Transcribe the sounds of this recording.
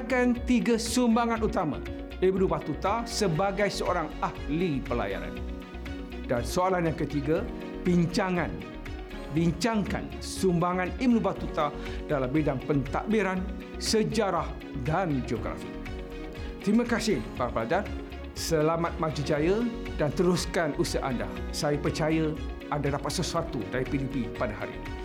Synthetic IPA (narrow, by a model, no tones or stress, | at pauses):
kant̪iɡasumbaŋãnut̪amã̰ | ibnubat̪ut̪asəbaɡajsəoɾaŋahlipəla̰ja̰ɾa̰n | dansoalanjaŋkət̪iɡa | b̥iɲt͡ʃaŋãn | biɲt͡ʃaŋka̰n | sumbaŋanibnubat̪ut̪a | dalambidaŋpənt̪a̰ʔbiɾan | səd͡ʒaɾah | dand͡ʒoɡɾa̰fḭ | t̪ɾimãkasɪbaɾaplad͡ʒan | səlamat̪̚mãd͡ʒud͡ʒajə | dant̪əɾuskanʔusəʔanda̰sajəpərt͡ʃajə | andadapat̪̚səsuat̪udaɾipilipipadaɦa̰ɾḭni